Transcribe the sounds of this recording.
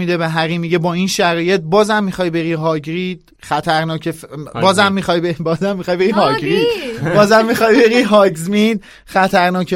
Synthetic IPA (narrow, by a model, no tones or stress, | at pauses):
mid̪ebeɦæɾiːmiɟebɒːinʃæɾɒːje̞t̪̚bɒːzæmːixɒːjbe̞ɾiːɦɒːɟɾiːd̪̥ | χæt̪ʰæɾnɒːcʰefbɒːzæmːixɒjbebɒːzæmːixɒːjbeɾiɦɒːɡɾid̪bɒːzæmːixɒjbe̞ɾiɦɒːɡzmid̪̥ | xæt̪ʰæɾnɒːce